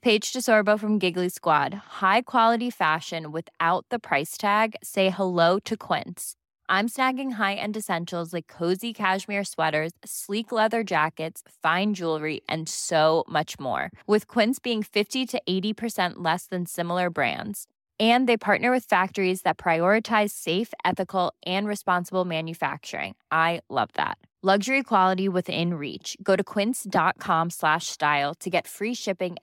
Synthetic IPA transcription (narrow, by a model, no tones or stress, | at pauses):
pʰeɪ̥d͡ʒdɨsɔɹboʊfɹʌ̃mɡɪɡliskwɑ̰d̥̚haɪkʰw̥ɑlˠəɾifæʃɨ̃nwɨðaʊt̪̚ðəpʰɹ̥aɪstʰæɡseɪhəloʊɾɨkʰw̥ɪ̰̃nts | ʔãɪ̃msnæɡɪ̃ŋɦaɪʔɨ̰̃nɨsɛ̃nʃl̩ˠzlaɪkʰːoʊzikʰæʃmɪɹswɛɾə˞z̥sliklɛðə˞d͡ʒækɨtsfãɪ̃nd͡ʒulˠɹiʔɨ̰̃nsoʊmʌt͡ʃmɔ̰ɹwɨð̥kʰw̥ɪ̃nsb̥iɪ̃ŋfɪftiɾɨʔeɪɾipʰə˞sɛ̃nʔlɛsðɨ̃nsɪ̃ml̩ˠə˞bɹæ̰̃ndz̥ | ɨ̃nðeɪpʰɑɹʔⁿnə˞wɨð̥fæk̚tə˞izðɨt̚pʰɹ̥aɪɔɹɨtʰaɪz̥seɪfɛθɨkl̩ˠʔɨ̃nɹɨspɑ̃nsəbl̩ˠmæ̃njɨfæ̰k̚t͡ʃə̰˞ɪ̰̃ŋʔaɪlʌ̰vðæ̰t̚ | lʌɡʒə˞ikʰw̥ɑlˠəɾiwɪðɪ̰̃nɹḭt͡ʃɡ̥oʊɾɨkʰw̥ɪ̃nsd̥ɑt̚kʰɑ̃mslæʃstaɪlˠtʰɨɡɛtfɹiʃɪpɪ̃ŋ